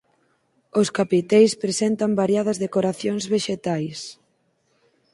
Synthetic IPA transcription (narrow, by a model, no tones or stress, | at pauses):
oskapit̪ɛjspɾesent̪ambaɾjað̞ɐzðekoɾaθjoŋzβeʃet̪ajs